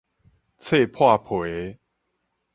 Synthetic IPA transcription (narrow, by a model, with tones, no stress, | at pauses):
t͡sʰe˥˧˨pʰwa˥˨pʰwe˨˦